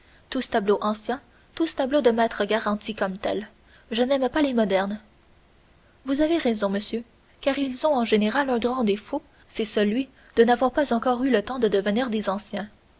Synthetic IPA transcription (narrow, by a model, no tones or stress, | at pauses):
t̪usə̥t̪abloʔɑ̃sjɛ̃ | t̪usə̥t̪ablod̪əmɛːt̪χəɡaʁɑ̃t̪ʰikɔmt̪ɛ̰l | ʒənɛmpalemɔd̪ɛʁn | vuzaveʁɛzɔ̃məsjø | kaːʁilzɔ̃ɑ̃ʒeneʁalœ̃ɡʁɑ̃d̪efo | sɛsəlɥi | d̪̥ənavwaʁpazɑ̃kɔːʁylət̪ɑ̃d̪əd̪əvəniːʁd̪ezɑ̃sjɛ̃